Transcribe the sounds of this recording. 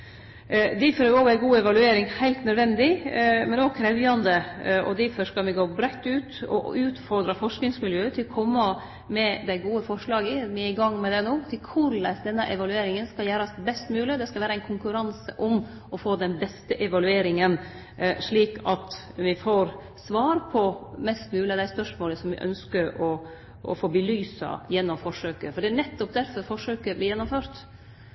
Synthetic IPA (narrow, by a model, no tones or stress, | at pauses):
d̪æfɔɾoːʋæɡuːɛʋɑlʉeːɾɪŋhæɪlt̪nœd̪ʋɛnd̪ɪmɛnɔkʰɾɛʋjɑnd̪əɔ̰d̪æfɔʂkɑlʋɪɡoːbɾɛt̪ːʉːt̪ɔ̰ʉːt̪fɔɾd̪ɾɑfɔʂknɪŋsmɪljøːət̪ʰɪlɔkʰɔmːɑ | mɛd̪æɪɡuːəfɔʂɭɑːɡəʋɪɪɡɑŋːmɛd̪ɛnoːt̪ʰɪlkʰʊɾlæsd̪ɛnːəʔɛʋɑlʉeːɾɪŋənskɑljæːɾɑsbɛst̪mʉːlɪəd̪ɛskɑlʋæːɾəæɪnkʰʊŋkʉɾɑnsəʔɔm | ɔfoːd̪ɛnbɛst̪əʔɛʋɑlʉeːɾɪŋən | ʂɭiːkʰɑt̪ | ʋɪfoːɾ | sʋɑːɾpʰɔmɛst̪mʉːlɪɑd̪æɪspœʂmoːləsɔmʋɪ̰ʔœ̰nskəɾɔ | ɔ̰foːbəlyːsɑ̰jɛnːɔmfɔʂøːkəfɔɖɛæɳnɛt̪ːɔp̚d̪æɾfɔɾfɔʂøːkəbliːjɛnːɔmføːɾt̪